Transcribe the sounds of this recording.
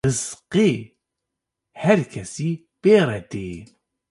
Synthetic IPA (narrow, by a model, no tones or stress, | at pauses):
ɨzqe | hɛɾkʰɛsiː | b̥eːɾɛd̪eː